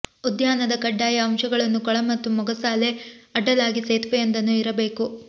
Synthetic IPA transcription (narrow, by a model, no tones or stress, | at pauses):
ud̪jaːnɐd̪ɐkɐɖːaːjɐɐmʃɐɡɐɭɐnːukɔɭɐmɐt̪ːumɔɡɐsaːleɐɖːɐlaːɡiseːt̪ʋɛjɐnd̪ɐnːuiɾɐbe̞ːku